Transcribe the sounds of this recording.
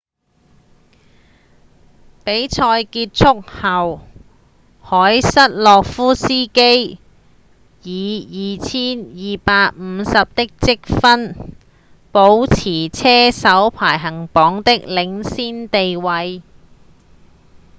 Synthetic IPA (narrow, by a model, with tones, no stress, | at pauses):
pe˨˥jt͡sʰɔː˧jkiː˧t̚t͡sʰʊ˥k̚hɐ˨w | hɔː˨˥jsɐ˥t̚lɔː˨k̚fuː˥siː˥ke˥j | jiː˨˧jiː˨˩t͡sʰiː˥njiː˨paː˧k̚m̩˨˧sɐ˨p̚t̪ɪ˥k̚t͡sɪ˥k̚fɐ˥n | po˨˥wt͡sʰiː˨˩t͡sʰɛː˥sɐ˨˥wpʰaː˨˩jɦɐ˨˩ŋpɔː˨˥ŋt̪ɪ˥k̚lɪ˨˧˥ŋsiː˥nt̪e˨jwɐ˨˧j